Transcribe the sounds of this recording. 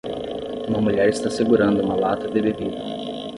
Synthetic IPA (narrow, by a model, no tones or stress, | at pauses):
ũmɐmuʎɛɾist̪aseɡuɾɐ̃nd̪ʊũmɐlat̪ɐd̪ɪbebid̪ɐ